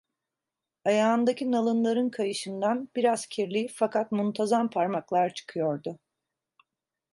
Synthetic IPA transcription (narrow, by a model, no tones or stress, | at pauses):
ajaːnd̪acʰinalˠɯnlˠaɾɯnkʰajɯʃɯnd̪anb̥iɾazcʰiɾlʲifakʰat̪munt̪ʰazampʰaɾmaklˠaɾt͡ʃʰɯ̥kʰɯjo̞ɾd̪ʊ